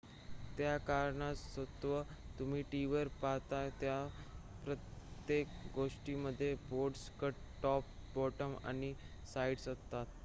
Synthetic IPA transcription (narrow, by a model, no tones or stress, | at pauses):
t̪jakaɾɳasət̪ʋə | t̪um̤iːʈiʋəɾpaɦt̪at̪ja | pɾət̪jek̚ɡoʂʈiməd̪ʱːjeboʈskəʈ | ʈɔp̚ːbɔʈəma̰ñi | saiɽsət̪ːat̪